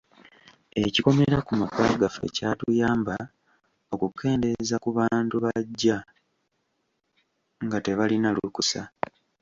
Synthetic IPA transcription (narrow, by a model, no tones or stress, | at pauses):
e̞ciko̞meɾakumakaːɡafe̞̰caːtujaːmba | o̞kukʰːe̞ːnde̞zakuβaːntuβaɟːa | ŋɡate̞βalinalukusa